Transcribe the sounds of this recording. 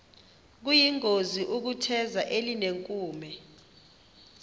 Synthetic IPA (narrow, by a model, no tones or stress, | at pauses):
k̬ujiŋʱoziʔuk̬utʰɛzaʔelineŋkʼuːmɛ